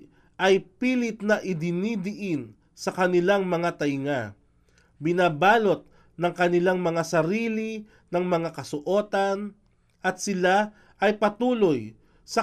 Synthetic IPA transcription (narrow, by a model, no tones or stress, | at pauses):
ʔɐjpiːlɪt̪̚nɐʔɪd̪ɪnid̪ɪʔɪn | sɐkɐnɪlaŋmɐŋat̪ɐjŋa | bɪnaːbaːlo̞t̪̚ | nɐŋkɐnɪlaŋmɐŋasɐɾiːli | nɐŋmɐŋakɐsʊʔoːt̪ɐn | ʔɐt̪̚sɪla | ɐjpɐt̪uːloj | sɐ